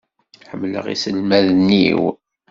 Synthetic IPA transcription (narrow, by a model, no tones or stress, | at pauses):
ħəmːlə̰ʁḭsəlmæðnːiw